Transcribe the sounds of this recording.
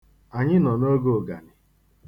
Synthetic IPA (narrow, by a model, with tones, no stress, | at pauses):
a˨ɲɪ˦nɔ˨no˦ɡo˦˨ɡa̰˨nɪ˨